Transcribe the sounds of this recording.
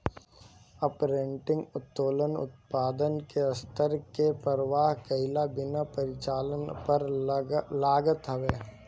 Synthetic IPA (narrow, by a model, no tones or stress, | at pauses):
ɐpɾẽɳʈɪ̃ŋɡʊt̪ːoːlənʊ̰t̪paːd̪ənkeɐst̪əɾkepəɾəʋaːɦkəɪlabɪnapəɾɪt͡ʃaːlənpɐɾ | laːɡət̪ɦəʋeː